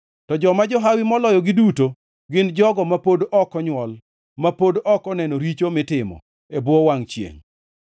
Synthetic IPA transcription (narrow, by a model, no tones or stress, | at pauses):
tɔd͡ʒɔmad͡ʒɔɦawimɔlɔjɔɡɪduto | ɡɪnd͡ʒɔɡɔmapodɔkɔɲwɔl | mapodɔkɔnɛnoɾit͡ʃomɪtɪmɔ̰ | ebwɔwaŋt͡ʃjḛŋ